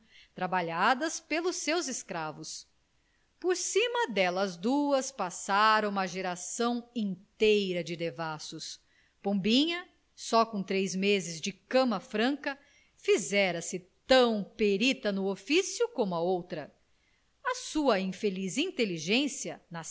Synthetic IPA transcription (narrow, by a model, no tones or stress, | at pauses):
t̪ɾabaʎad̪ɐspelʊsːewzɪskɾavʊs | poɾsĩmɐd̪ɛlɐzd̪uɐspasaɾɐ̃w̃ũmɐʒeɾasɐ̃w̃ĩt̪ejɾɐd͡ʒɪd̪evasʊs | põbĩɲɐ | sɔkõt̪ɾejzmezɪzd͡ʒɪkɐ̃mɐfɾɐ̃kɐ | fizɛɾɐsɪt̪ɐ̃w̃peɾit̪ɐnʊofisjukõmʊɐowt̪ɾɐ | ɐsuɐĩfelizĩnt̪eliʒẽsiɐna